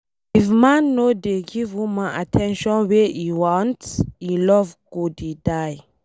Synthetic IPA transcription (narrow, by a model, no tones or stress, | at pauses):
ifmãnːodeɡivwũmãatʰɛ̃nʃɔ̃nweiwɔ̃ntsilɔvɡ̥udidaj